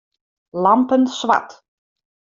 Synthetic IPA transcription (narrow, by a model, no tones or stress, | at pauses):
lɑmpənsʋa̰t